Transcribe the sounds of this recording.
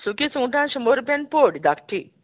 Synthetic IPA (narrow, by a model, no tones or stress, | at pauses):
sukisũːʈãnʃumoɾpenpoːɖd̪akʈʰi